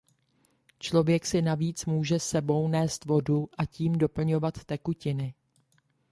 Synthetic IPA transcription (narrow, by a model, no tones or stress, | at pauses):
t͡ʃlo̞vjɛksɪnaviːt͡smuːʒɛsɛbo̞wnɛːst̪vo̞duʔaciːmdo̞pl̩ɲo̞vat̪ːɛkucɪnɪ